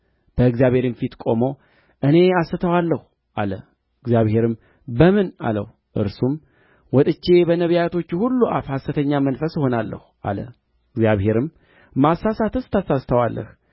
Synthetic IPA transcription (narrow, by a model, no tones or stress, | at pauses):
b̥əɨɡzjaβhe̞ɾɨnfit̪kʷʼo̞mo | ʔɨne̞asːɨt̪ʰəwalːəh | ʔalə | ɨɡzjaβhe̞ɾɨm | bəmɨna̰lə̰h | ʔɨ̰ɾsum | wɔt̪ʼɨt͡ʃːe̞bənəβjat̪ʰo̞t͡ʃːhulːuʔafhasɨt̪ʰəɲːamənfəsjho̞nalːə̰hʔa̰lə̰ | ɨɡzjaβhe̞ɾɨm | masːasat̪ɨst̪ʰasast̪ʰəwalːʔə̰h